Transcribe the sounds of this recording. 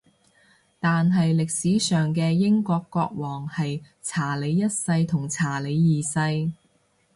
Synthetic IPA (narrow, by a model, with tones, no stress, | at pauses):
t̪aː˨nɦɐ˨jlɪ˨k̚siː˨˥sœː˨ŋkɛː˧jɪ˥ŋkɔː˧kːɔː˧k̚wɔː˨˩ŋhɐ˨j | t͡sʰaː˨˩le˨˧jjɐ˥t̚sɐ˧jt̪ʰʊ˨˩ŋt͡sʰaː˨˩le˨˧jːiː˨sɐ˧j